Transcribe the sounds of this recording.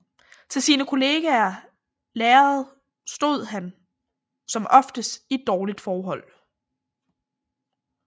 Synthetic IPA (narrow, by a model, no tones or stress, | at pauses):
t͡sʰe̝lsiːnəkʰo̝le̝ːɡ̥æɐ | leːɐð̩ˠ | sd̥o̝ð̰ˠɦæn | sɒ̽mʔɒ̽fd̥əsid̥̚ɒːlid̥fɒːɦɒ̽l̰